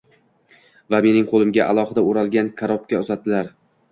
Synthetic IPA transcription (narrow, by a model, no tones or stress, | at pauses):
vame̞nɪŋqʰolˠɪmɡʲaʔalˠɒhɨd̪aʊɾalˠɡʲankʲʰaɾɒp̚kʲaʊzat̪ːɪlaɾ